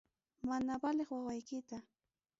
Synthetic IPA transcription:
manabaleχwawajkɪt̪a

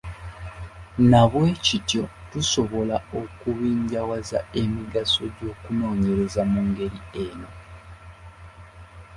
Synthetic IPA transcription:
naβwe̞ːcitjo̞tuso̞βo̞laokuβiːɲɟawazae̞miɡaso̞ɟo̞ːkuno̞ːɲe̞ɾe̞zamuːŋɡe̞ɾie̞no̞

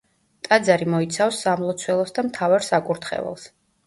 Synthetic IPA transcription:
t̪ʼad̪zaɾimɔit̪sʰafsːamlˠɔt̪sʰwɛlˠɔsd̪amt̪ʰavaɾsakʼuɾt̪ʰχɛ̰vɛ̰lˠs

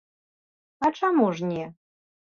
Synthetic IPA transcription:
aʈ͡ʂʰamuʐnʲe

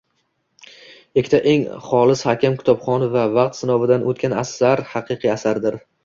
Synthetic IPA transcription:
ekʲʰːɪt̪ʰaʔe̞ŋχɒlˠɪshakʲɪmkʲʰɪ̥t̪ʰɒbχɒnɪvavɑq̚t̪sɪnɒvɪd̪anot̪̚kʲanasːaɾhɑqʰɨqʰɨasaɾd̪ɪɾ

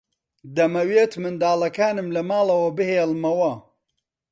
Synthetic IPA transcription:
d̪ɐmɐweːt̪mɨnd̪aːlɐkaːnɨmlɐmaːlˠɐwɐbɨheːlmɐwɐ

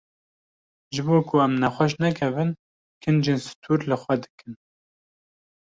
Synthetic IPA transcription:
ʒɨboːkʰʊɛmnæxʷɛʃ̬nɛkʰɛvɨn | kʰɨnd͡ʒeːnsɨ̥t̪ʰuːɾlɨxʷɛd̪ɨ̥kɨn

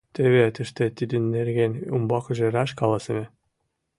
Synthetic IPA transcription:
t̪ʲɘ̆βet̪ɘ̆ʃt̪ĕt̪id̪ɘ̆nːeɾɡenʲumbɑkʒĕɾɑʃkɑlˠɑsɘ̆mʲĕ

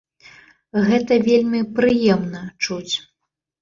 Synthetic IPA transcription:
ɣɛt̪ɐvʲelʲmʲipɾɨjɛmnɐt͡ʂut͡sʲ

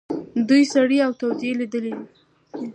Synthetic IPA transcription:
d̪ujsaɽiawt̪awzieled̪əlewi

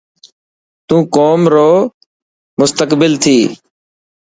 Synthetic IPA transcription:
t̪ũːkoːmɾoː | mʊst̪əkbɪlt̪ʰiː

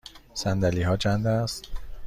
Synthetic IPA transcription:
sænd̪æliːɦɒːt͡ʃʰænd̪æst̪

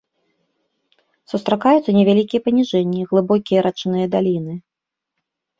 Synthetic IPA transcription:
sust̪ɾakajut̪sːɐnʲɛvʲalʲikʲijɐpɐnʲiʐɛnʲːiɣlˠɨbɔkʲijɐɾat͡ʂnɨjɐd̪alʲinɨ

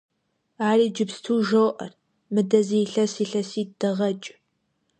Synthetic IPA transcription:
aːriːd͡ʒɪpstʰuːʒɐwʔɐ̰r | mɨdɐzijɬɐsiːɬɐsiːd̥ɐʁɐt͡ʃʼ

